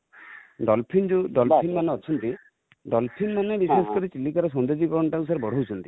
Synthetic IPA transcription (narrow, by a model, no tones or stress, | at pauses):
ɖɔlpʰind͡ʒuɖɔlpʰinmaneɔt͡ʃʰɔnt̪i | ɖɔlpʰinmanebisasɔ̥kɔɾit͡ʃilːikaɾɔs̬ɔnd̪ed͡ʒikɔɾɔɳɔʈaus̬aɾebɔɽ̤owt͡ʃʰɔnt̪i̥